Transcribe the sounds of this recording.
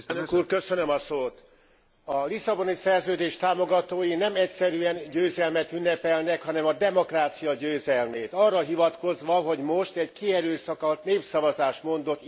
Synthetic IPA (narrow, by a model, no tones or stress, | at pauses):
nøkuːrkøsønømɒsoːt̪ | ɒlisɒbo̞nisɛrzøːd̪eːʃt̪aːmo̞ɡɒt̪oːjinɛmɛcsɛɾyɛnɟøːzɛlmɛt̪ynːɛpɛlnɛkhɒnɛmɒd̪ɛmo̞kraːt̪sijɒɟøːzɛlmeːt̪ɒrːɒɦivɒt̪ko̞zʋɒɦo̞ɟmo̞ʃt̪ɛɟkiɛɾøːsɒkɒt̪neːpsɒvɒzaːʃmo̞nd̪o̞t̪ː